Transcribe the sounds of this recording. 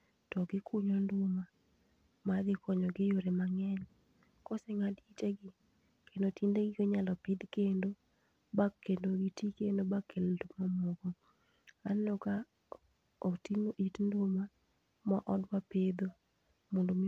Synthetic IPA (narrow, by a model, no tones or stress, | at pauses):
tɔɡɪkʰuɲɔndʊma | mad̪ɪkɔɲɔɡɪjoɾemaŋɛɲ | kɔsɛŋadit͡ʃeɡɪ | kendotindeɡɪkoɲalɔpɪd̪kendo | bakːendoɡitikendobakʰːeltomɔmɔɡɔ | anlɔka | otimoʔitndʊma | maʔɔdwaped̪o | mondom